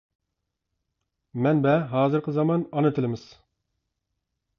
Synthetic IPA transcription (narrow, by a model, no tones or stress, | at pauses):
mɛnbɛɦɑːzɨɾqʰəzɑmɑnɑnɨt̪ʰɪlɪmɪz̥